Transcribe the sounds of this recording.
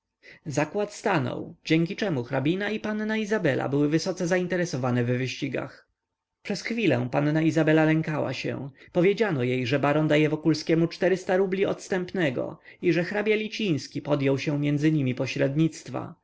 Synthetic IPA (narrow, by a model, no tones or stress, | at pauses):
zakwat̪st̪anɔ̰wd͡ʑɛŋʲkʲit͡ʂɛmuxɾabʲinaipannaizabɛlʔa̰bɘwɘvɘsɔt̪sɛzaint̪ɛɾɛsɔvanɛvvɘɕt͡ɕiɡa̰x | pʂɛsxfʲilɛ̰̃pannaizabɛlalɛŋkawa̰ɕɛ̰̃pɔvʲjed͡ʑanɔjejʐɛbaɾɔnd̪ajɛvɔkulskʲɛmut͡ʂt̪ɛɾɘst̪aɾublʲiɔt̪st̪ɛmpnɛɡɔ̰iʐɛxɾabʲjalʲit͡ɕij̃skʲipɔd̪jɔwɕɛ̃mʲjɛnd̪zɘɲimʲipɔɕɾɛd̪ɲit̪st̪fa̰